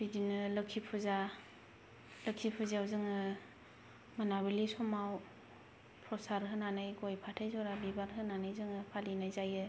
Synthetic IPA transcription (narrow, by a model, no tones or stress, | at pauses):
bidinɯlɯkʰipʰuza | lɯkʰipʰuzawzɯŋɯ | manabilisɔmaw | pʰɔsaɾɦɯnanɯjɡojpʰatʰajzɔɾabibaɾɦɯnanɯjzɯŋɯpʰalinajzajɯ